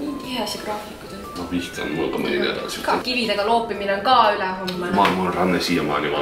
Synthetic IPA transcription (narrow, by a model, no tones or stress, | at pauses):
niːt̪iɦesɑkrɑːfikud̪̥onnɑpiht̪ɑ̰nmulːkɑmḛnæ̰d̪ɑ̰sukivid̪e̞ɡ̥ɑloːpːˑimineoŋkɑːylɛɦomːemɑːmɑnrɑnːesiːjɑmɑ̰ːlʲiʋɑ̰